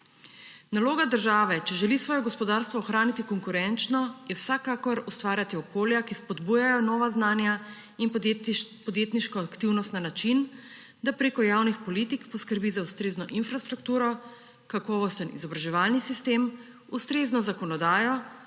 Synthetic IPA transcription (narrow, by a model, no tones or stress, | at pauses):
naloːɡad̪əɾʒaːʋɛt͡ʃɛʒɛlisʋɔːjɔɡɔspɔd̪aɾst̪ʋɔːxɾaːnit̪ikɔŋkuɾɛnt͡ʃnɔjɛwsakakɔɾust̪ʋaːɾʲjat̪iɔkoːljakispɔd̪buːjajɔnɔːʋaznaːnja | inpɔd̪jeːt̪niʃkɔakt̪iwnɔst̪nanat͡ʃin | d̪apɾeːkɔjaːwnixpɔlit̪ikpɔskəɾbizaust̪ɾeːznɔʔinfɾast̪ɾukt̪uːɾɔ | kakɔːʋɔst̪ənḭzɔbɾaʒɛʋaːlnisist̪em | ust̪ɾeːznɔzakɔnɔd̪aːjɔ